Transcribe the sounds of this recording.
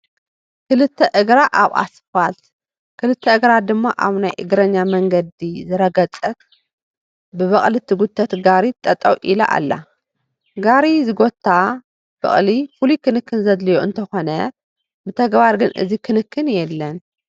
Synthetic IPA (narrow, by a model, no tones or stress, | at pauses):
kʰɨlɨt̪ʰːɐʔɨɡɾaʔaβa̰sɨfalt̪ | kʰɨlɨt̪ʰːɐʔɨɡɾad̪ɨmːaʔa̰βnajʔɨɡɾɐɲːamɐŋɡɐd̪izɨɾɐɡɐt͡sʼɐt̪ | bɨβɐχʼlɨt̪ʰːɨɡut̪ʰːɐt̪ɡaɾit̪ʼɐt̪ʼɐwʔila̰ʔa̰lːa̰ | ɡaɾizɨɡo̞t̪ʰːa | b̥ɐ̰χʼlifulikʰɨnɨkːɨnzɐd̪lɨjoɨ̰nt̪ʰɐxo̞nɐ | bɨt̪ʰɐɡbaɾɡɨnʔɨ̰zikʰɨnɨkʰːɨnjɛlːɐn